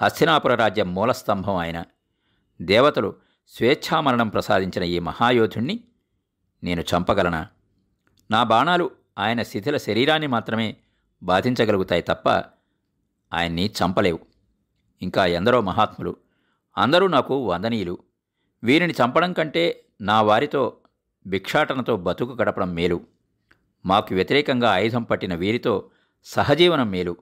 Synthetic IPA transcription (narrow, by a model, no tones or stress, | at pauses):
hɐst̪ʰinaːpuɾɐɾaːd͡ʒjɐmːɔːlɐst̪ɐmbʱɐmɐːjɐnɐ | d̪ɛːʋɐt̪ɐlu | sʋɛːʃʰaːmɐɾɐɳɐmpɾɐsa̰ːd̪iɲt͡ʃinɐiːmɐhaːjoːd̪ʱuɳːi | ne̞ːnut͡ʃɐmpɐɡɐlɐnɐ̰ | naːbaːɳaːlu | aːjɐnɐsid̪ʱilɐʃɐɾiːɾaːnːimaːt̪ɾɐme̞ː | baːd̪ʱiɲt͡ʃɐɡɐluɡut̪aːjit̪ɐpːɐ̰ | a̰ːjɐnːit͡ʃɐmpɐle̞ːwu | iŋkaːend̪ɐɾo̞ːmɐɦaːt̪mulṵ | ɐ̰nd̪ɐɾuːnaːkuʋɐnd̪ɐniːjulu | ʋiːɾinit͡ʃɐmpɐɽɐŋkɐɳʈe̞ː | naːʋaːɾit̪o̞ː | bikʂaːʈɐnɐt̪o̞ːbɐt̪ukuɡɐɽɐpɐɽɐmːeːlu | maːkuʋjɐt̪iɾɛːkɐŋɡaːjud̪ʱɐmpɐʈːinɐʋiːɾit̪o̞ː | sɐɦɐd͡ʒiːʋɐnɐmːeːlu